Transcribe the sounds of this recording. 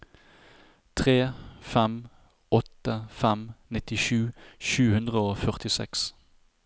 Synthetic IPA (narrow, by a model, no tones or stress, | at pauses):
t̪ʰʁeːfɛm | ɔt̪əfɛmnɪt̪ɪʃʉːʃʉːhʉnd̪ʁəoːfœʁt̪ɪsɛ̰ks